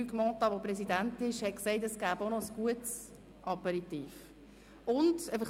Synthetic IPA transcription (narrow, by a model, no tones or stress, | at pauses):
yɡmɔt̪ɑʋopɾɛsidæntɪʃhɛt̚kseɪtɛsɡ̥æːbonɔəsɡ̥uəts | ʔɑpɛɾit̪iːf | ʊndɛɪfəχ